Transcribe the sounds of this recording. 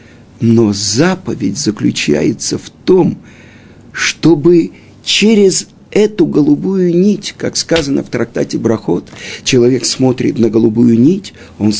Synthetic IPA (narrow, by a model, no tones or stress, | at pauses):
no̞zapəvʲɪdʲzəklʲʉt͡ɕæ̰jɪt̪səft̪o̞m | ʂt̪o̞bɨ | t͡ɕeɾʲɪz | ɛt̪ʊɡəlˠʊbujʊnʲitʲkakskazənə̰ft̪ɾɐk̚t̪atʲɪbɾɐxo̞t̪t͡ɕɪlˠɐvʲe̞ksmo̞t̪ɾʲɪ̰t̪nəɡəlˠʊbujʊnʲitʲ | o̞n